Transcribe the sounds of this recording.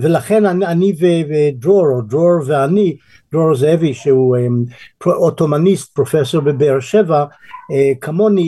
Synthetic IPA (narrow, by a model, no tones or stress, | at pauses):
velaχenaaniveedɾoɾodʁoɾveani | d̪̥ʁoɹzeviʃeuempoʔot̪omanist̪̚pʁofesoɾbebeɾʃevaekʰamoni